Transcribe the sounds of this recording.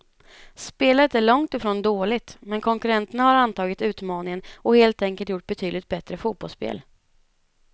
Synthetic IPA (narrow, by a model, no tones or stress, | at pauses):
speːlət̪æɭɔŋt̪ɪfɾoːnd̪oːlɪt̪mɛnkʰɔŋkɵɾɛnt̪ənahaɾant̪ʰɑːɡɪt̪ʉ̟ːt̪mɑːnɪŋənɔheːlt̪ɛŋkəlt̪jʊʈ̚ːbɛt̪ʰyːd̪lɪkt̪̚bɛt̪ɾəfuːt̪̚b̥ɔlspḛːl